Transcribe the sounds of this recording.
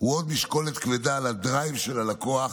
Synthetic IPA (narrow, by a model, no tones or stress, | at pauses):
uod̪miʃko̞let̪kvedalad̪ʁajmʃe̞lalako̞aχ